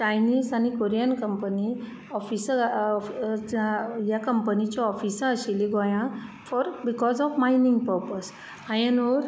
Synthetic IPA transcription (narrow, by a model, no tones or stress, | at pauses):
t͡ɕajniːzañikoɾijankəmpəni | ɔfisə | jakəmpənit͡ɕɔɔfisə̃əɕiliɡɔjã | fɔɾbikɔzɔfmainĩŋɡ̚pəɾpəs | ajənʋəɾ